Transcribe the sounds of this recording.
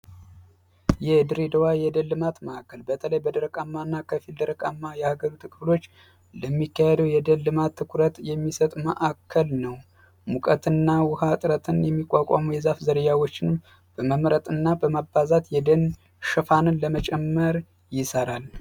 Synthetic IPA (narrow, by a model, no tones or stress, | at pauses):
jɛd̪ɨɾed̪əwajɛd̪əlːɨmat̪məʔakʰːəlbət̪ʰələjbəd̪əɾəkʼamːanːakʰəfild̪əɾəkʼamːajɛhaɡəɾut̪ʰɨkʼɨblo̞t͡ʃː | ləmːikːahɛd̪əwjɛd̪əlːɨmat̪ʰːɨkʰuɾət̪jɛmːisət̪ʼumə̰ʔakʰːəlnəw | mukʼət̪ɨnːawʊhat̪ʼɾət̪ʰɨnjɛmːikʷʼːakʷʼa̰mujɛzafzəɾəjawo̞t͡ʃːɪnɨm | b̥əməmɾət̪ʼɨnːabəmabːazat̪jɛd̪ən | ʃɨfanɨnləmət͡ʃʼɛmːəɾ | jɪsəɾal